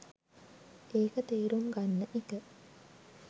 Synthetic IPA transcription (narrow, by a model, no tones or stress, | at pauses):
eːkət̪eːɾumɡanːəʔikə